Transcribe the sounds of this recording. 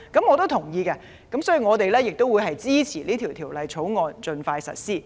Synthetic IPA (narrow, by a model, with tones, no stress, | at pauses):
kɐ˨˥mŋɔː˨˧t̪o˥wt̪ʰʊ˨˩ŋjiː˧kɛː˧ | kɐ˨˥msɔː˨˥jy˨˧ŋɔː˨˧t̪e˨jlɛː˥jɪ˨k̚t̪o˥wuː˨˧jhɦɐ˨jt͡siː˥t͡sʰiː˨˩liː˥t̪ʰi˨˩wt̪ʰiː˨˩wlɐ˨˧jt͡sʰo˨˥wŋɔː˨nt͡ʃɵ˧nfaː˧jsɐ̰˨t̚siː˥